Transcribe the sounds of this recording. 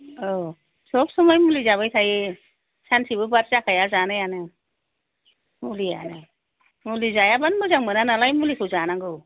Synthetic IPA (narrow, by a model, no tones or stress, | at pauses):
ɔ | sɔbsɔmɔjmulizaβajtʰaje | sansibɯbat̚zakʰajazanɯjanɯ | mulia̰nɯ | mulizajabanmɯzaŋmɯnanalajmulikʰɯzanaŋɡɯw